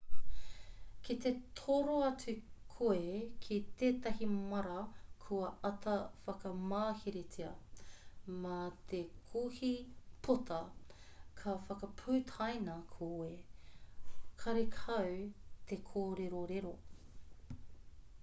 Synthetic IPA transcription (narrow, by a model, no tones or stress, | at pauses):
kit̪et̪ʰoɾoɐt͡sʉkʰoekʰit̪eːt̪ɐɦimɐɾɐkʰuɐɐt̪ʰɐfɐkɐmaːhiɾet͡siɐ | mat̪ʰekʰuhipʰot̪ʰɐ | kʰɐfɐkɐpʰʉːt̪ʰɐjnɐkʰoe | kʰɐɾekʰɐwt̪ʰekʰoːɾeɾoɾeɾo